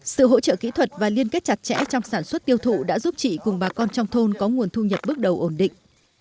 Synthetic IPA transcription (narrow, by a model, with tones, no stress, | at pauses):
sɨ̰˧˨ɦo̰˧˥t͡ɕə̰ː˧˨kḭ˧˥t̪ʰwə˨˩t̚vaː˨˩li˧ənke˦˥t̚t͡ɕa˨˩t̚t͡ɕɛ̰˧˥t͡ɕɔ˧wŋ͡msaː˧˩nswə˦˥t̚t̪i˧əwt̪ʰṵ˧˨ɗa̰ː˧˥zu˦˥p̚t͡ɕḭ˧˨kʊ˨˩ŋ͡mɓaː˨˩kɔ˧nt͡ɕɔ˧wŋ͡mt̪ʰo˧nkɔ˨˦ŋu˨˩ənt̪ʰu˧ɲə˨˩p̚ɓɨ˦˥ək̚ɗə˨˩wʔo˧˩nɗḭ˧˨ŋ̟